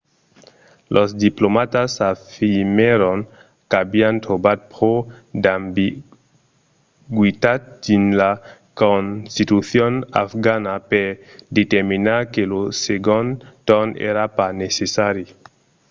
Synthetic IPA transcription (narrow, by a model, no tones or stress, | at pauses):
lʔosd̪iplomat̪asafimeɾon | kabiant̪obad̪̚po | d̪ambi | ɡwit̪at̪̚dinla | konst̪it̪uθjona̰fɡanapeɾd̪et̪eɾminaɾkeloseɡont̪onḛɾapanesesaɾi